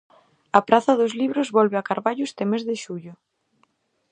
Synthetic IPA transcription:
ɐpɾaθɐðozliβɾozβɔlβeakaɾβaʎʊst̪emezðɪʃuʎʊ

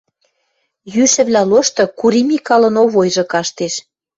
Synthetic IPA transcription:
jyʃɘ̆βlʲæloʃt̪ɤ̆kuɾimikɑlə̆noβojʒɤ̆kɑʃt̪eʃ

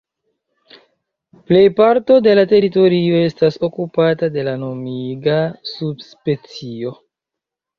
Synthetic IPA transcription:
ple̞jpaɾto̞de̞late̞ɾito̞ɾio̞e̞staso̞kupatade̞lano̞miɡasubspe̞t͡sio̞

